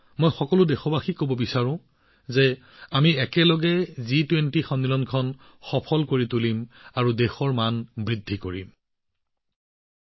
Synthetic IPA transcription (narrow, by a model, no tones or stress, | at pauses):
mojxɔkɔlʊdɛxɔbaxikobɔbisaɹʊ̃ | zɛ | amiɛkɛlɔɡɛzitwentixɔnːilɔnkʰɔn | xɔpʰɔlkoɹitulimaɹudɛxɔɹmanbɹidʱːikoɹḭm